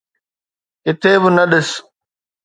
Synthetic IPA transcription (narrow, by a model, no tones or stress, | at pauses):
kɪt̪ʰeːbɪnəɗɪs